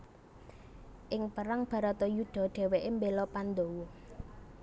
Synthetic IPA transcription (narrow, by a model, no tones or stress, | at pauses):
ʔɪŋpəɾaŋb̥ä̤ɾat̪ɔjuɖ̪̥ɔ̤ɖ̥ɛ̤weʔembelɔpand̪owɔ